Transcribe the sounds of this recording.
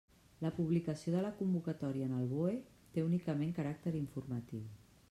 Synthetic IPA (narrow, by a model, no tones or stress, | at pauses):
ləpuβlikəsioðələkumbukət̪ɔɾiəːnəlˠβoe | t̪eunikəmeŋkəɾak̚t̪əɾiɱfuɾmət̪iw